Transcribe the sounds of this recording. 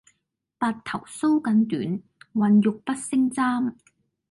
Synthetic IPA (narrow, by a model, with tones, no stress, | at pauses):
paː˧t̚t̪ʰɐ˨˩wso˥wkɐ˨˧nt̪yː˨˥n | wɐ˨njʊ˨k̚pɐ˥t̚sɪ˥ŋt͡saː˥m